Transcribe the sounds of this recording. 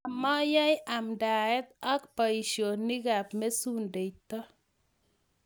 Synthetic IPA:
a˨ma˦ja˦jɪ˦a˨mda˨ɛ˦t̪ɔ˦kpa˨i˨ʃjo˨nːi˦ɡa˨pme˦su˦nde˨t̪ɔ˦

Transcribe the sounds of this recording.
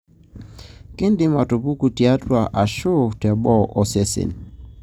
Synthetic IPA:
ki˦ndi˦ma˨tu˨pu˦ku˨ti˨a˦twa˨ʔa˨ʃo˦tɛ˨ɓɔ˦ʔɔ˨sɛ˦sɛ̰˨n

